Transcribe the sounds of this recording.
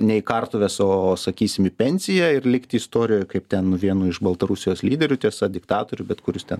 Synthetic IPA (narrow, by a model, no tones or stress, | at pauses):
nʲɛɪkɐrt̪ʊʋʲɛsoːsɐkʲiːsʲɪmɪpʲɛnʲsʲɪjɛɪrlʲɪkt̪ʲɪːst̪oːɾʲɪjoːjkɐɪpt̪ʲɛnnʊʋʲiɛnuːɪʃbɐlˠt̪ɐɾʊsʲɪjoːslʲiːd̪ʲɛɾʲʊt̪ʲiɛsɐd̪ʲɪkt̪ɑːt̪oːɾʲʊbʲɛt̪kʊɾʲʊst̪ʲɛn